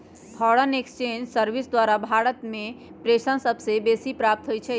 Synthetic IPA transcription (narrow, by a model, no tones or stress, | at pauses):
pʰɔɽənekst͡ʃend͡ʒsəɾʋisd̪waɾabʱaɾət̪mẽpɾeʃənsəbsebesipɾap̚t̪ɦojt͡ʃʰɛ